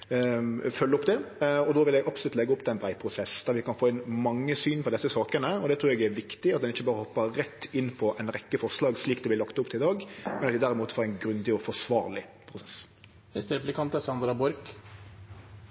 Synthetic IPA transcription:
fœlːəʊpd̪ɛɔd̪oːʋɪlɛɡɑpsʊlʉt̪lɛɡːəʊpːt̪ʰɛɛnbɾæɪpʰɾʊsɛsd̪̥æɾʋɪkɑnfoːɪnmɑŋːəsyːnpʰɔd̪ɛsːəsɑːkənəɔd̪ɛt̪ʰɾuːɾɛɡæɾʋɪkt̪ɪɑt̪̚d̪ɛnɪçːəbɑːɾəhɔpːəɾɛt̪ːɪnːpʰɔʔɛɪnɾɛkːəfɔɾʂlɑːɡsliːkd̪ɛblɪlɑkt̪ʊpt̪ʰɪɪd̪ɑːɡmɛnɑt̪ɛd̪æɾɪmuːt̪foːɾɛɪnɡɾʉnd̪ɪɔfɔʂʋɑ̰ːɾlɪpʰɾʊsɛs | ɛst̪ɛɾplɪkʰɑnt̪əsɑnd̪ɾɑbɔɾk

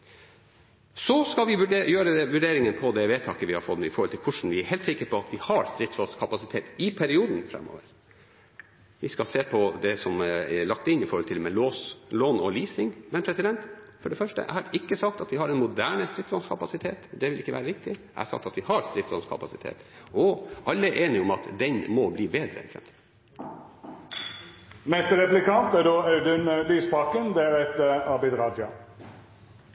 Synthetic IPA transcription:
sɔskɑlʋɪʋʉɖjøːɾəɛʋʉɖeːɾɪŋənpʰɔd̪ɛʋeːt̪ʰɑːkəʋɪhɑɾfɔt̪ːɪfɔɾhɔlt̪ɪlkʰʊʂɳ̩ʋɪæɾhɛeːlt̪sɪkːəɾpʰɔɑt̪ʋɪhɑɾst̪ɾɪt̪slɔnskʰɑpɑsɪt̪ʰeːt̪ɪpʰæɾɪuːd̪n̩fɾɛ̰mːo̰ːʋəɾ | ʋɪskɑseːpʰɔd̪ɛsɔmɛɭɑkt̪ɪnɪfɔɾhɔlt̪ʰɪlmɛloːsloːnɔliːsɪŋmɛnpʰɾɛsɪd̪ɛnt̪fɔɖɛfœʂʈə̰hɑɾɪkːəsɑk̚t̪ɑt̪ʋɪhɑɾɛnmʊd̪æːɳəst̪ɾɪt̪slɔnskʰɑpɑsɪt̪ʰeːt̪d̪ɛʋɪlɪkːəʋæːɾəʋɪk̚t̪ɪ | æ̰sɑ̰k̚t̪ɑt̪ʋɪhɑɾst̪ɾɪt̪slɔ̰nskʰɑ̰pɑsɪt̪ʰḛːt̪ɔʔɑlːəɛʔeːnɪɔmɑt̪d̪ɛnmɔbliːbeːd̪ɾə̰fɾɛ̰m | nɛst̪əɾɛplɪkɑnt̪æɖ̪oːɑʉd̪ənlyːspɑkənd̪ɛæːɾɛt̪ɑɾbɪd̪ʁɑːd̪ɑ̰

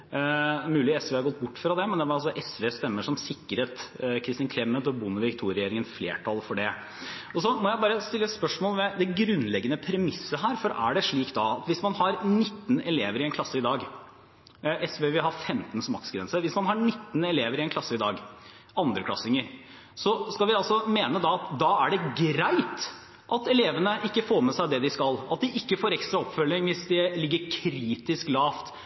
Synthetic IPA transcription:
mʉːlɪɛsʋeːɑɡɔt̪ːbʊʈːfɾɑd̪ɛmɛnd̪ɛʋɑɾɑlsɔʔɛsʋeːst̪ɛmːəʂɔmsɪkːəɾheːt̪kʰɾɪst̪ɪːnkʰɾɛmːət̪ɔbʊnːʋɪkt̪ʰuːɾɛjeːɾɪŋənflḛːʈʰɑlfɔɖɛ | ɔsɔmɔjæɪbɑːɾəst̪ɪlːəɛt̪spœʂmoːlʋɛd̪ɛɡɾʉnːlɛɡːənəpʰɾɛmɪsːəɦæːɾfɔɾæɖɛʂɭiːkt̪d̪ɑɑt̪ʋɪsmɑnhɑɾnɪt̪ːnɛleːʋəɾɪɛnkʰlɑsːəɪd̪ɑːɡ | ʔɛsʋeːʋɪlɦɑɾfɛmt̪nsɔmɑksɡɾɛ̰nsəʋɪsmɑnɦɑnɪt̪ːn̩ɛleːʋəɾɪɛnkʰlɑsːəɪd̪ɑːɡ | ʔɑnd̪ɾəklɑ̰sɪŋːəɾ | sɔskɑlʋɪɑlsɔmeːnəd̪ɑːɑt̪d̪ɑːæɖɛɡɾæɪt̪ | ʔɑt̪ɛleːʋənəʔɪkːəfoːɾmɛsæɪd̪ɛd̪ɪskɑlɑt̪̚d̪ɪʔɪkːəfoːɾɛkst̪ɾɑɔpfœlːɪŋʋɪsd̪ɛlɪɡːəɾkʰɾiːt̪ɪsklɑːft̪

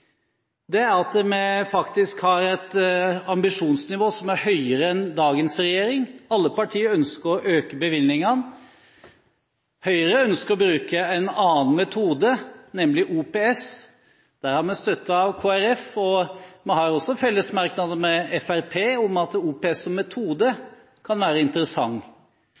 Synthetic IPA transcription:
d̪ɛæɾɑt̪mɛfɑkt̪ɪskhɑɾɛt̪ɑmbɪʂuːnsnɪʋoːsɔmæɾhœʏəɾəɛnd̪ɑːɡənsɾɛjeːɾɪŋɑlːəpɑʈʰiːəɾœnskəɾɔʔøːkəbəʋɪlnɪŋən | hœʏəɾəœnskəɾɔbɾʉːkəɛnɑːnmɛt̪ʰuːd̪ənɛmlɪʔuːpeːɛs | d̪̥æːɾhɑɾmɛnst̪œt̪ːəɑʋkʰoːæɾɛfɔmɛhɑɾɔsːɔfɛlːəsmɑɾknɑd̪əmɛɛfæɾpʰeːɔmɑt̪uːpeɛsɔmːɛt̪ʰuːd̪ə | kʰɑnʋæːɾəɪnt̪əɾəsɑŋː

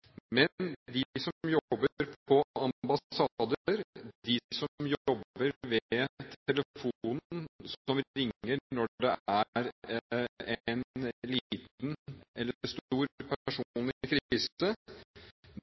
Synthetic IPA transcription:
mɛnd̪ɪsɔmjɔbːəɾpɔɑmbɑsɑd̪əəɾd̪ɪsɔmjɔjɔbːəɾʋɛt̪ʰɛləfuːn̩sɔmɾɪŋːənɔɖɛæɾ | ɛɛnlit̪̚nɛlːəst̪uːɾpʰææʂunkɾɪsə

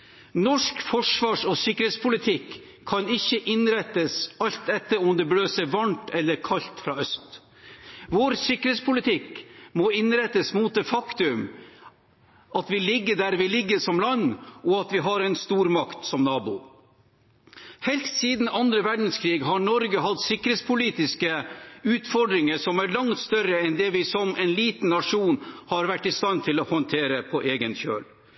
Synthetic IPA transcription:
nɔʂkfɔʂʋɑːʂɔsʏkːɾeːt̪spʰʊlɪt̪ʰɪkʰː | ɑnɪçːəʔɪnɾɛt̪ːəsɑlt̪ɛt̪ːəɾɔmd̪ɛbløːsɛʋɑɳt̪ɛlːəɾkʰɑʎt̪fɾɑːœst̪ | ʋɔɾsʏkːəeːt̪spʰʊlɪt̪ʰɪkmɔɪnɾɛt̪ːəsmuːt̪̚d̪eːfɑkt̪ʉm | ʔɑt̪ʋɪlɪɡːəɖæɾʋɪlɪɡːəʂɔmlɑnːɔɑt̪ʋɪɦɑɾɛnst̪uːɾmɑkt̪sɔmnɑːbʊ̰ | hɛlst̪siːd̪n̩ɑnd̪ɾəʋæɖn̩skʰɾiːɡɦɑɳɔɾɡəɦɑt̪sɪkːəɾeːt̪spʰʊliːt̪ɪskəʉːt̪fɔɖɾɪŋəʂɔmæɾɭɑŋt̪st̪œɾəɛnd̪ɛʋɪsɔmʔɛnliːt̪n̩ːɑʂuːnhɑɾʋæʈːɪst̪ɑnt̪ʰɪlɔhɔnt̪ʰeːɾəpʰɔʔeːɡənçø̰ːl

